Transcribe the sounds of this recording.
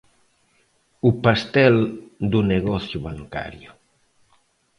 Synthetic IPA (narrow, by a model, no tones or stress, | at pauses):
upast̪ɛld̪uneɣɔθjuβaŋka̰ɾju